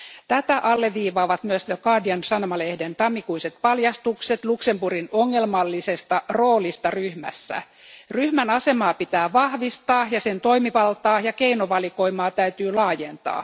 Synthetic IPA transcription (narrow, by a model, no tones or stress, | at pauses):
t̪æt̪æʔɑlːeʋʋiːʋɑːʋɑt̪myøst̪okɑːdiɑnsɑnomɑlehdent̪ɑmːikuiset̪̚pɑljɑst̪ukset̪luksempurinoŋːelmɑlːisest̪ɑro̞ːlist̪ɑryhmæ̰sːæ̰ | ryhmænɑse̞mɑːpit̪æːʋɑhʋist̪ɑːjɑsent̪o̞imiʋɑlt̪ɑːjɑkeinoʋɑliko̞imɑːt̪æyt̪yːlɑːjent̪ɑ̰ː